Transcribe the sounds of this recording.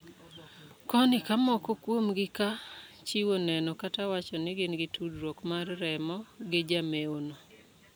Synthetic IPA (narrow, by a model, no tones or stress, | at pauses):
kɔnɪkamɔkokwomɡɪka | t͡ʃiwonɛnɔkatawat͡ʃɔnɪɡɪnɡɪtudɾwokmarːɛmɔɡɪd͡ʒameono